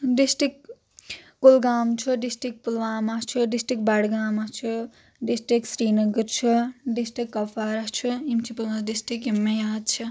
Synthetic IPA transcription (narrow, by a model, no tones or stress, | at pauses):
ɖisʈikː | olɡaːmt͡ʃʰuɖisʈik̚pulʋaːmat͡ʃʰuɖisʈik̚baɽɡaːmat͡ʃʰu | ɖisʈɾiksɾiːnʌɡəɾt͡ʃʰuɖisʈikːɐpʰaɾʌt͡ʃʰuimt͡ʃʰipulwãɖisʈikimːejaːd̪̚t͡ʃʰɐ